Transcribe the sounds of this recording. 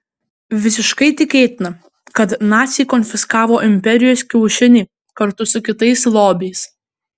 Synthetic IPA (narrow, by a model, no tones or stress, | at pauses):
ʋʲɪsʲɪʃkɐɪt̪ʲɪkʲeːt̪ʲɪnɐ | kɐt̪nɑːt̪ʲsʲijkɔnʲfʲɪskɑːʋoːʔɪmʲpʲɛɾʲɪjoːskʲɛʊʃʲɪnʲɪ | kɐɾt̪ʊsʊkʲɪt̪ɐɪslˠoːbʲɛɪs